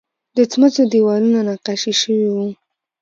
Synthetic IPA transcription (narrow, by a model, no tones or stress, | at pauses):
d̪ət͡smət͡sod̪iwɑlunanaqaʃiʃəwiwu